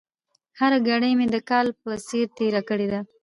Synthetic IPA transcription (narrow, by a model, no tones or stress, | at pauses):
haɾaɡaɽəjmed̪əkɑlpəseɾt̪eɾakəɽed̪a